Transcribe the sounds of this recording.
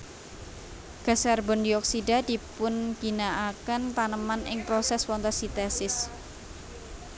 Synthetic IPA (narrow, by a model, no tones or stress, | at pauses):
ɡ̥a̤sɛrbɔndiɔksidad̪̥ipʊnɡ̥i̤naʔakənt̪anəmanʔɪ̰ŋpɾosɛswɔnt̪ɔsit̪ɛsɪs